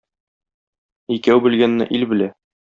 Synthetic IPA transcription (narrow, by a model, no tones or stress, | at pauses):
ikæwbɘ̆lɡænːɘ̰ʔilbɘ̆læ